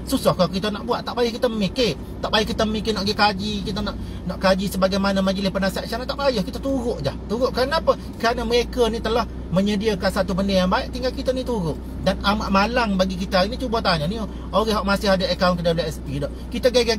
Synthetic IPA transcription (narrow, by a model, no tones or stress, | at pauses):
susahkakit̪ənaʔbuaʔt̪aʔbajəhkit̪əmike | t̪aʔbajəhkit̪əmikenaʔɡekad͡ʒikit̪ənaʔ | naʔkad͡ʒisəbaɡajmanəmad͡ʒəlɪspənasaʔt͡ʃanat̪aʔbajəhkit̪ət̪uɣʊʔd͡ʒa̰ht̪uɾʊʔkaɾənaapə | kəɾanəməɣekənit̪əlah | məɲədiəkansat̪ubəndəjaŋbaɪʔt̪iŋɡalkit̪ənit̪uɾʊʔ | danamaʔmalaŋbaɡik̬it̪aainit͡ʃubət̪aɲanio | oɾɛhɦɔʔmasɪhadaʔekaunkədaulaɛspidɔʔkit̪əɡeɡe